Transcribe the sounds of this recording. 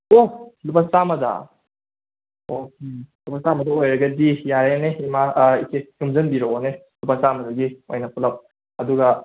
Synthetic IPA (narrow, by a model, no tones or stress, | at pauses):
olupaŋsamɐda̰ | olupaŋsamɐdɐojɾɐɡɐdijaɾeneimaikejumzɐnbiɾoone | lupasamɐdaɡiojnɐpʰulɐp̚ | ɐduɡɐ